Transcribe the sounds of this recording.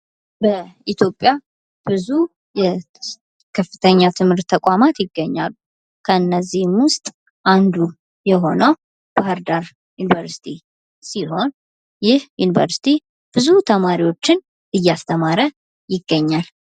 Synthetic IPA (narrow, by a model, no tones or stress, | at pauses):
bəit̪ʰjo̞pʼːja | b̥ɨzu | jɛ | kʰəfːɨt̪ʰəɲːat̪ʰɨmhɨɾt̪ʰːəkʼamat̪jɪɡːəɲːa̰lːu | kʰəɨnːəzːihmwʊst̪ʼ | ʔand̪u | jɛɦo̞nəw | b̥ahəɾd̪aɾ | junivəɾsi̥t̪ʰi | siɦo̞n | jɪhjunivə̰ɾsi̥t̪ʰi | b̥ɨzut̪ʰəmaɾiwo̞t͡ʃːɪn | ʔɨjːast̪ʰəmaɾə | jɪɡːəɲːal